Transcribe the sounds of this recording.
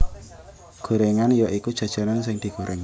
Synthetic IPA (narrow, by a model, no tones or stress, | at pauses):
ɡ̥o̤ɾeŋanjɔʔikud̥ʒ̥a̤d̥ʒ̥a̤nansɪŋd̪̥i̤ɡ̥o̤ɾʔɛŋ